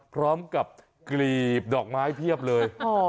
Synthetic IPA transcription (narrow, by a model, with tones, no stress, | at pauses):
pʰɾɔː˦˥mka˨˩p̚ | kliː˨˩p̚dɔː˨˩k̚maː˦˥jpʰi˥˩əp̚lɤː˧jɔ˧